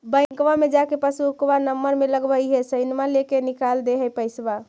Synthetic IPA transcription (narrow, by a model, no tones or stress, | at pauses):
bə̃ɪ̃ŋkʋamed͡ʒakepəsukʋanəmːəɾmeləɡbəiɦesəɪnmalekenikald̪eɦɛpəjsba